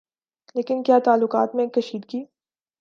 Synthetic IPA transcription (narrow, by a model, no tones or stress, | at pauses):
leːkɪnkjaːt̪aːlːʊqaːt̪mẽkɐʃiːd̪kiː